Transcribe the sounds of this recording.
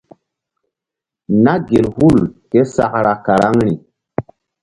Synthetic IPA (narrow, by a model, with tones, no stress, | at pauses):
na˦ɡe˨lhu˦˨lke˦sa˨kɾa˨ka˨ɾa˦ŋɾi˨